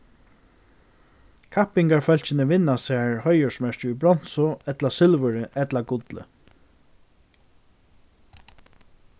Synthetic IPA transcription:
kʰahpɪŋkaɹfœl̥t͡ɕɪnəʋɪnːasaːɹhɔjəsmɛɹcʊbɾɔn̥sʊɛt̪lasɪlvʏɾɪʔɛt̪laɡʊt̪lɪ̰

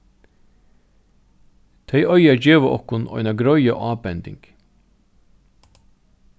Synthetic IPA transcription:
t̪ʰœɪʔœʏɑd͡ʒeːʋəʔɔ̰kʊnɔ̰œ̰nɑɡɾœʏə̰ʔɑːbɛnd̪ɪ̰ŋɡ̥

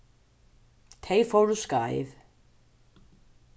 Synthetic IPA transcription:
t̪ʰejfowɾuskaːj̰ð

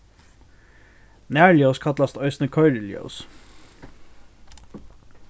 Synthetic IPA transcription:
næːɹljəʊskʰɑt̪lɑst̪œʏsnəkʰɔʏləljo̰ʊs

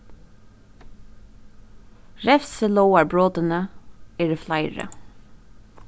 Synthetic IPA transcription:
ɹɛfsəlɔwaɹbɹoːt̪ɪnəɛːɹɪflajɹə̰

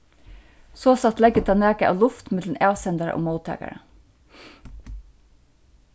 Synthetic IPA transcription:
soːsɑt̪lɛɡət̪ʰɑːnæːkəʔɑ̰ːlʊft̪mɛd̪ləm̩eːʋsɛnd̪əɾə̰ʔo̰ːmoʊt̪ʰæ̰ːkɑ̰ɹə

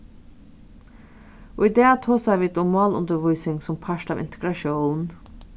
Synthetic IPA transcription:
oid̪eːat̪ʰoːsæɪʋiːd̪ɔmɑːlʊ̰nd̪əɾʋuɪsɪŋsɔmpʰaʃtɑːvɪ̰nt̪ʰəɡɾaʃoːnn

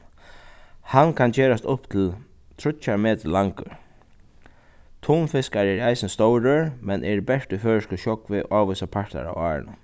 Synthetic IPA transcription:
hankʰant͡ʃeːɾast̪ʊpt̪ʰɪl | t̪ʰɾʊt͡ʃːaɾmeːt̪əlaŋkə̰ɹ | t̪ʰuːnfɪskaɹɛɾajsɪnst̪owɾøɹmɛnʔɛɹbɛʂt̪ʏføːɹɪʃkəʃɔkʋɪʔaːʋʏsapʰaɹt̪a̰ɾa̰wa̰ːɹɪ̰nə̰

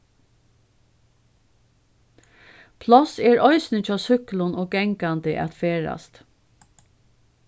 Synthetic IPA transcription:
pʰlɑseːɹʔɔʏsnətɑːsʏklʊnʔoːɡ̚ɡɛŋkɑnd̪əʔɑ̰t̪feːɹɑ̰st̪

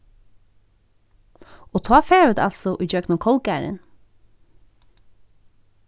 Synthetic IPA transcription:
oːt̪ʰɑːfeːʋət̪ʰɑ̰lsɔʔyːd͡ʒœːknʊkʰɔlɡæːɾə̰n

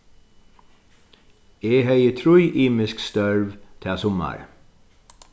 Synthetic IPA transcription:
eːɦɛɪət̪ʰɾʊʏʔiːmɪskst̪œɹʋt̪ʰɛːsʊma̰ɹ

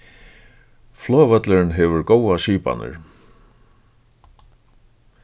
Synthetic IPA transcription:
flɔːvœt̪lɪɾɪnɦɛʋʏɾkowasiːpa̰nɪ̰ɹ̥

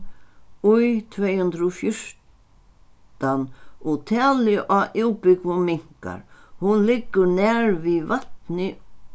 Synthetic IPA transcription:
ujt̪ʰvɛːjhɵnt̪ɾɔfjʊɹ̥ | t̪anut̪ʰɛːlɪʔaʔɪwpɪkvʊmɪŋ̥ka̰ɾhʊnlɪkːʏɾnɛːɾvivat̪nɪ

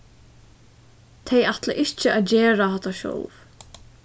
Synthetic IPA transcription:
t̪ʰɛjaht̪la̰ʔɪht͡ʃɪaðd͡ʒeːɾaɦat̪aʃɔ̰wv

